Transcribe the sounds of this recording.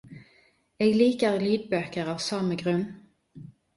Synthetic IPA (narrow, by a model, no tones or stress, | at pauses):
eːɡliːkəʁliːd̪bøːkəʁɑːʋsɑməɡʁʉn